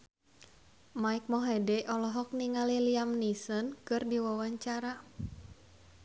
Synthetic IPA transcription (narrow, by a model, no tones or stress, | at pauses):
maik̚mɔɦɛdɛʔɔlɔɦɔk̚niŋaliliamnisənkɨrdiwawaɲt͡ʃaɾa